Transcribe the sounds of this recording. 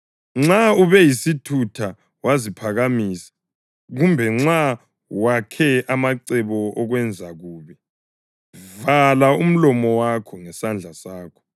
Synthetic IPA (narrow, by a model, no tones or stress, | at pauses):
ŋ͡ǁauβɛjisitʰutʰa | wazipʰaɣamiːsḁ | ɣumbʱɛŋ͡ǁa | wakʰɛamaǀɛβɔʔɔɣwɛnd͡zʱaɣuːβɛ | valaum̩lɔmɔwakʰɔŋɛsand͡ɮʱasaːkʰɔ̥